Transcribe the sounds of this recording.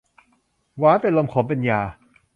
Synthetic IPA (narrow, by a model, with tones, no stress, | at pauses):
waː˦˥pe˧nlo˧mkʰoː˨˩˦pe˧njaː˧˩